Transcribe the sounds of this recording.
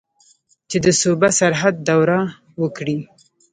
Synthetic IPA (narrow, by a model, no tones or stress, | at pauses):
t͡ʃed̪əsubasaɾɦad̪̚ːawɾa | wəkɽi